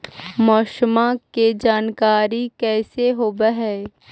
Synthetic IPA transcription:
mɔːʃmaked͡ʒaːnkaːɾikɛːseɦoːbəɦɛː

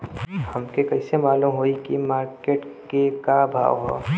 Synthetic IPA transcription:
hɐmkekɐɪsemaːlumɦoːikimaːɾkeːʈkekabʱa̰ːʋɦo̰ː

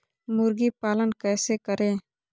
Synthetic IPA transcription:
mʊɾɡipaːlənkɛːsekəɾẽː

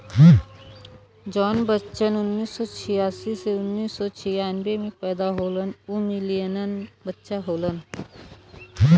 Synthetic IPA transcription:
d͡ʒɔːnbətːʃənʊnːiːsːɔt͡ʃʰɪjaːsiseʊnːiːsːɔt͡ʃʰɪjaːnbemẽpɛːd̪aɦoːlənumɪlijənənbətːʃaɦoːlən

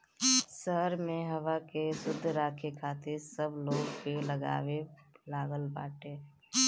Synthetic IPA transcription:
səɦəɾmẽɦɐʋakesʊd̪ʱːɾaːkʰekʰaːt̪ɪɾsəbloːɡpeləɡa̰ːwelaːɡəlba̰ːʈeː

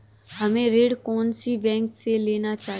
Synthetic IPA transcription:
həmẽɾeːɽkɔːnsiʋɛ̃ːŋkseleːnat͡ʃaːɦ

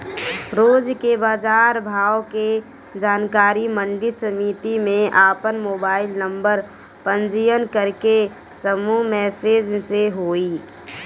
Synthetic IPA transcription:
ɾoːd͡ʒkebaːd͡ʒaːɾbʱaːʋke | d͡ʒaːnkaːɾimə̃ɳɖiɾsəmit̪imẽʔaːpənmoːbaːɪlnə̃mbəɾ | pə̃nd͡ʒɪjənkəɾke | səmumɛːseːd͡ʒseɦoːiː

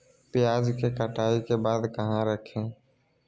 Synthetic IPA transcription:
pɪjad͡ʒkekəʈaːikebaːd̪kəɦãɾəkʰẽ

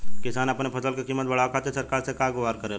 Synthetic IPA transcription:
kɪsaːnɐpnepʰɐsəlkekiːmːət̪̚bɐɽ̤aːkʰaːt̪esɐɾkaːɾsekaɡʊʋaːɾkəɾeːl

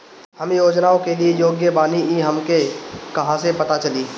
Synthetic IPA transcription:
hɐmjoːd͡ʒnaːõkeliejoːɡjəbaːniiɦɐmkekɐɦãsepɐt̪at͡ʃɐliː

